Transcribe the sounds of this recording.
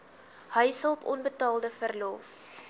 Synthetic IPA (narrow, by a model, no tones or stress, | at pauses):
həjsəlˠpɔnbətɑːlˠdəfərlof